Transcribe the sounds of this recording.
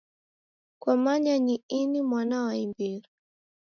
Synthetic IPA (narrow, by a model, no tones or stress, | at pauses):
kwamaɲaɲiinimwanawaimbiɾi